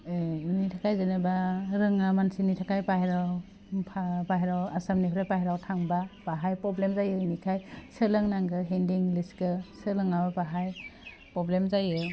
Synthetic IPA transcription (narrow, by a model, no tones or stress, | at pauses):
nitʰakʰajzɯnabaɾɯŋamansinitʰakajpahjɾaw | pʰapaɦjɾawasamnipʰɾajpahjɾawtʰaŋbapaɦajpɾɔblemzajɯnikʰajsɯlɯŋnaŋɡɯɦendiŋliskɯsɯlɯŋabapaɦaj | pɾɔblemzajɯ